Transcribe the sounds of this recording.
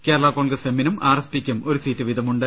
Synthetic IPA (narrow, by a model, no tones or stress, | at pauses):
keːɾɐɭaːkoːɭɡɐsemːinumaːrɐspikʲːumo̞ɾusiːtːɨʋid̪ʱɐmuɳɖɨ